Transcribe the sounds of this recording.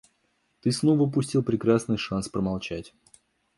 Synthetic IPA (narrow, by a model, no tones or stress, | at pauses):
t̪ɨsnovəpʊsʲtʲilˠpɾʲɪkɾasnɨjʂanspɾəmalˠt͡ɕætʲ